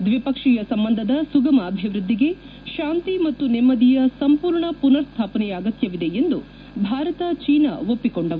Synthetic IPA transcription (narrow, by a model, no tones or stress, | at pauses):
d̪ʋipɐkʂijɐsɐmbɐnd̪ʱɐd̪ɐsuɡɐmɐːbʱiʋɾud̪ːiɡe̞ | ʃaːnt̪imɐt̪ːunɛmːɐd̪ijɐsɐmpuːɾɳɐpunɐɾst̪ʰaːpɐnɛjɐːɡɐt̪jɐʋid̪e̞end̪u | bʱaːɾɐt̪ɐt͡ʃiːnɐ̰o̞pːikoɳɖɐʋu